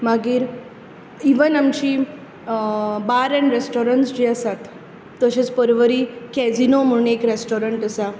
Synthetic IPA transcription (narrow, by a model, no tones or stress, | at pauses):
maɡiːɾ | iʋənamt͡ɕiː | baɾənɾesʈoɾəɳʈsd͡ʑiəsat̪ː | əɕet͡spəɾʋəɾikɛd͡zinom̤ənekɾesʈoɾəɳʈəsa